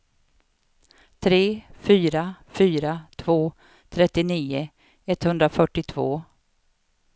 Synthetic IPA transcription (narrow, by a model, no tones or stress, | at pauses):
t̪ʰɾeːfyːɾafyːɾat̪ʰvoː | t̪ʰɾɛt̪ːɪniːʊ | ɛt̪hɵnd̪ɾafœʈːɪt̪ʰvo̰ː